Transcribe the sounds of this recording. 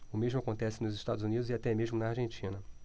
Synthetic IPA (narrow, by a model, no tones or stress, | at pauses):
ʊmeʒmʊakõnt̪ɛsɪnʊzɪʃt̪ad̪ʊzunid̪ʊzɪat̪ɛmeʒmʊnaːɾʒẽnt͡ʃĩnɐ